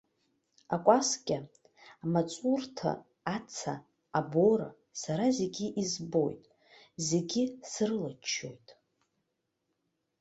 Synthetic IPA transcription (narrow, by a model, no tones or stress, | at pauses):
akʷʼaskʲʼa | mat͡sʼurtʰa̰ | at͡sʰa̰ː | boɾa̰ | saɾaze̞ɡʲiʔizbo̞̰jtʼ | ze̞ɡʲɪsrɨlat͡ʃʰːo̞̰jtʼ